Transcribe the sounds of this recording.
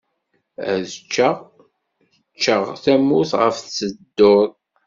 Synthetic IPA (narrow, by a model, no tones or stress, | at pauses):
æ̰ðət͡ʃːəʁ | ət͡ʃːəʁθæmuθʁə̰fθt͡sːəd̪ːoðˤ